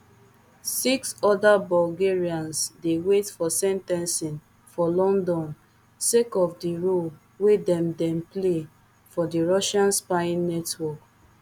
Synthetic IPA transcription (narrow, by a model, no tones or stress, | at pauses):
siksɔdabɔlɡeɹiãnsdewetfɔsɛ̃ntɛ̃nsĩn | fɔlɔ̃ndɔ̃n | sekɔfdiɹol | wedɛ̃mdɛ̃mple | fɔdiɹɔʃãnspãnːɛtwɔk